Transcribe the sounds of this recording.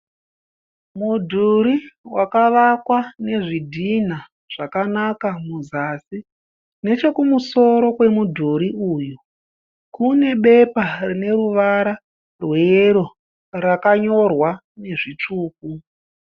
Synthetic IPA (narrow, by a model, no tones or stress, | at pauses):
mudʱuɾiwakaʋakwane̞ʐidʱin̤a | ʐ̥akanakamuzasi | ne̞t͡ʃe̞kumuso̞ɾo̞kwe̞mudʱuɾiuːju | kune̞ɓe̞parine̞ɾuʋaɾa | rweɾo̞ | rakaɲo̞rwa | ne̞ʐit͡ʂuːk̚u